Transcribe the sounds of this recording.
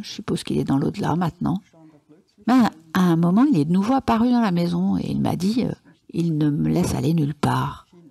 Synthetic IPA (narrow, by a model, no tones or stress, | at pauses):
ʒəsypoz̥kilɛd̪ɑ̃lo̰d̪əla̰mɛ̃t̪nɑ̰̃ | mɛaɛ̃mɔmɑ̃ilɛd̪ənuvoapaʁyd̪ɑ̃lamezɔ̃ḛḭlma̰d̪iø̰ | ilnəməlɛsa̰lenylpaːʁ